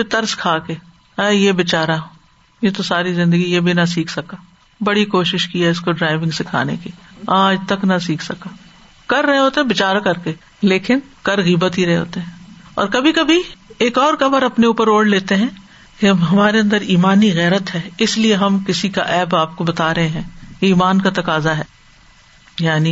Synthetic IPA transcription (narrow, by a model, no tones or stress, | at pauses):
bɪt̪ɐɾskʰaːkeː | ɛːjeːbɪt͡ʃaːɾa | jet̪osaːɾizɪ̃nd̪əɡijebʱinɐs̬iːkʰsɐkaː | bɐɽikoːʃɪʃkiɛɪskoɖɾaːɪʋɪ̃ŋɡsekʰa̰ːnḛkiaːd͡ʒt̪ɐknɐsiːkʰsɐkaː | kɐɾːɐɦeɦoːt̪eɦɛ̃bɪt͡ʃaːɾakɐɾke | leːkɪnkɐɾɣiːbət̪ɦiɾɐɦeɦo̰ːt̪eɦɛ̃ːɔ̰ːɾkɐbʱikɐbʱieːkɔːɾkɐməɾɐpneuːpəɾoːɽleːt̪eɦɛ̃ː | keɦɐmaːɾeɐ̃nd̪əɾiːmaːniɣɛːɾət̪ɦɛːɪslieɦɐmkɪsika̰ʔɛːbaːp̚kobɐt̪aːɾɐɦẽɦɛ̃ːkeiːmaːnkat̪ɐkaːzaɦɛː | jaːni